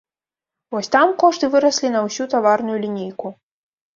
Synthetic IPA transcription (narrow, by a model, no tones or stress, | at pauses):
vɔsʲt̪amkɔʂt̪ɨvɨɾɐsʲlʲinɐwsʲut̪avarnujulʲinʲejku